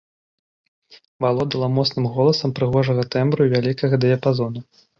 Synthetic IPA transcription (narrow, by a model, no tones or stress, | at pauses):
valˠɔd̪ɐlˠɐmɔt̪snɨmɣɔlˠɐsɐmpɾɨɣɔʐɐɣɐt̪ɛmbɾuvʲalʲikɐɣɐd̪ɐjɐpazɔnɐ